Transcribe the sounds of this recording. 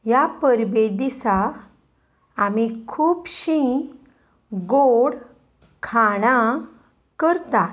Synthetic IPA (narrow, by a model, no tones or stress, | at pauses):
japəɾbed̪isa | amikʰuːpɕĩ | ɡoɽ | kʰaɽ̃a | kəɾt̪a